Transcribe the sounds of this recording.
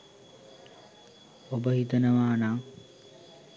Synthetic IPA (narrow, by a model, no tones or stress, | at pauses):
obəɦit̪ənəʋaːnaː